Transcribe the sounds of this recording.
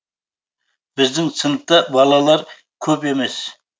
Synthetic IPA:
b̥ɪzd̪ɪŋsənəq̚t̪ɑbɑlˠɑlˠɑɾ | kʲʰɵpe̞me̞s

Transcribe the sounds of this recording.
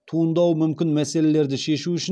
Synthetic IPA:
t̪ʰuənd̪ɑwmʏmkʲɪnmæse̞le̞le̞ɾd̪ɪʃe̞ʃuʏʃɪ

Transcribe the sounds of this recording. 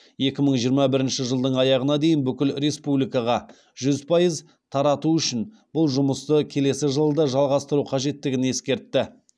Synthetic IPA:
je̞kʲɪməɴʒijəɾmɑbɪɾɪnʃɪʒəlˠd̪əɴɑjɑʁənɑd̪e̞jɪnbʏkʲɪlɾe̞spublijkɑʁɑ | ʒʏzpʰɑjəz | t̪ʰɑɾɑt̪uʏʃɪn | b̥ʊlˠʒʊməst̪əkʲʰe̞le̞sɪʒəlˠəd̪ɑʒɑlˠʁɑst̪əɾuqʰɑʒe̞t̪ːɪɡʲɪne̞skʲe̞ɾt̪ːɪ

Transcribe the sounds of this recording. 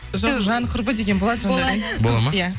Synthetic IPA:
ʒoʒɑnqʰʊɾbəd̪eɡʲe̞nbo̞lˠɑd̪əʒonɑd̪ɑnbolˠamajæ

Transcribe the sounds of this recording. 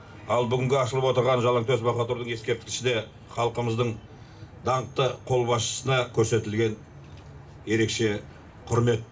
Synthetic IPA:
ɑlˠbʏɡʲɪŋɡʲeɑʃəlˠəpwo̞t̪əɾʁɑnʒɑlˠɑɴt̪ʰøzbɑχɑt̪uɾd̪əɴje̞skʲe̞p̚t̪ɪkʲɪʃɪd̪e̞ | χɑlˠqəməzd̪əɴ | d̪ɑɴq̚t̪əqʰo̞lˠbɑsʃə̥sənɑkʲʰɵɾse̞t̪ɪlɡʲe̞n | je̞ɾe̞kʃe̞ | qʰʊɾme̞t̪

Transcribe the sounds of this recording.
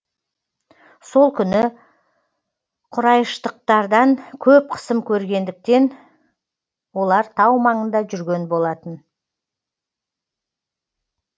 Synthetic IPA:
so̞lˠkʲʰʏnɪ | qʰʊɾɑjəʃt̪əq̚t̪ɑɾd̪ɑŋkʲʰɵp̚qʰə̥səmkʲʰɵɾɡʲe̞nd̪ɪk̚t̪e̞n | wo̞lˠɑɾt̪ʰɑwmɑɴənd̪ɑʒʏɾɡʲe̞nbo̞lˠɑt̪ən

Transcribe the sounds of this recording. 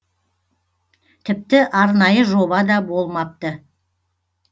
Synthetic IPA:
t̪ʰɪp̚t̪ɪʔɑɾnɑjəʒo̞bɑd̪ɑbolˠmɑp̚t̪ə

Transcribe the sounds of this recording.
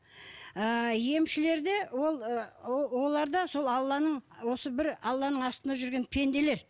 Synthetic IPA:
əje̞mʃɪle̞ɾd̪ewo̞lˠ | wo̞lˠɑɾd̪ɑso̞lˠɑlˠːɑnəɴwo̞səbɪɾɑlˠːɑnəɴɑst̪ənd̪ɑʒʏɾɡʲe̞npʰe̞nd̪e̞le̞ɾ

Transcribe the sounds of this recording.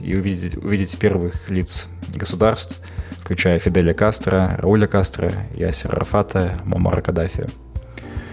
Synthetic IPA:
ḭʊvʲidʲɪtʲpʲervɨxlʲit̪s | ɡəsʊd̪arst̪f | fklʲʉt͡ɕæjəfʲɪd̪ɛlʲəkast̪rərɐ̰ulʲəkast̪rə̰ḭa̰sʲɪ̰rrɐ̰fat̪ʰəmo̰ma̰ɾə̰kɐd̪afʲɪ̰ʊ̰

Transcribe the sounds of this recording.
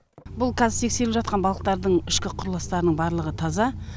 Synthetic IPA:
bʊlˠkʰɑzɪɾt̪ʰe̞kse̞ɾɪpʒɑt̪̚qɑnbɑlˠəqt̪ɑɾd̪əɴɪʃkʲɪqʰʊɾlˠɑst̪ɑɾənəɴbɑɾlˠəʁət̪ʰɑzɑ

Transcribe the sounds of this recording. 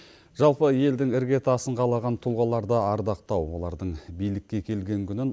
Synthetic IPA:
ʒ̥ɑlˠpəje̞ld̪ɪŋɪɾɡʲe̞t̪ɑsəɴʁɑlˠɑʁɑnt̪ʰulˠʁɑlˠɑɾd̪əɑɾd̪ɑq̚t̪ɑwwo̞̰lˠɑɾd̪əɴbijlɪkʲːe̞kʲʰe̞lɡʲe̞ŋkʲʰʏnɪn

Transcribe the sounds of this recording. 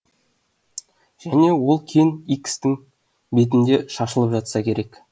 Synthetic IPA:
ʒ̥æne̞wo̞lˠkʲʰe̞nikst̪ɪŋ | be̞t̪̬ɪnd̪e̞ʃɑʃəlˠəpʒɑt̪sɑkʲʰe̞ɾe̞k

